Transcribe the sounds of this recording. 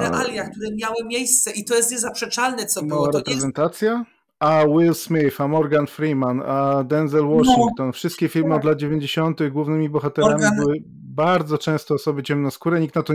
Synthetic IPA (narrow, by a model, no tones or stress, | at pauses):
ɛʔalʲjakt̪uɾɛmʲjawɘmʲjejst̪sɛʔit̪ɔjɛst̪ɲɛzapʂɛt͡ʂalnɛt̪sɔmawaɾɛpɾɛzɛnt̪at̪sʲja | awilsmʲifamɔɾɡanfɾimanad̪ɛnzɛlwɔʂiŋkt̪ɔnfʂɨst̪̚kʲefʲilmɘɔd̪lad̪̚d͡ʑevʲjeɲd͡ʑeɕɔnt̪ɘɣɡwuvnɘmʲibɔxat̪ɛɾamibɘwɘ | baɾd̪zɔt͡ʂɛ̃w̃st̪ɔːsɔbɘt͡ɕɛmnɔ̃skuɾɛɲikt̪nat̪ɔ